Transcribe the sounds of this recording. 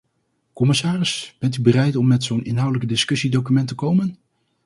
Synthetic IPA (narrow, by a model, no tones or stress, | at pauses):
kɔmɪsaːrɪsb̥ɛntybərɛjtɔmːɛtsownɪnɦɑwdələkdɪskɵsidowkymɛntəkowmən